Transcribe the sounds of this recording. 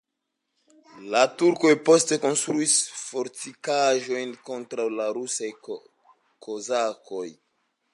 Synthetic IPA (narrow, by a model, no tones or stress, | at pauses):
latuɾko̞jpo̞ste̞ko̞nstɾuisfo̞ɾtikaʒo̞jnko̞ntɾawlaɾusaj | kozako̞j